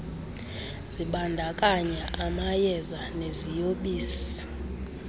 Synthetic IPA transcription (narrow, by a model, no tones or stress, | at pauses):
z̥iɓandʱakʼaɲɛʔamajɛzanezijoɓiːsi̥